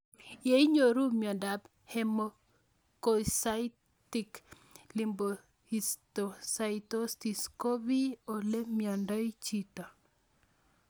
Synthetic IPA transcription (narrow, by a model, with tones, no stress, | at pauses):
je˦i˦ɲo˨ɾu˦mjɔ˨nda˨b | he˨mo | ko˨sai | ti˨k | li˨mbo˨ | hi˨sto˨sa˨ito˦sti˨sko˦bi˦o˨le˦mjɔ˨ndɔ˦i˦t͡ʃitɔ˨